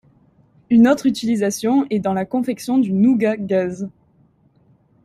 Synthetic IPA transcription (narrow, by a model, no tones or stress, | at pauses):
ynɔt̪χyt̪ilizasjɔ̃ɛd̪ɑ̃lakɔ̃fɛksjɔ̃d̪ynuɡaɡaz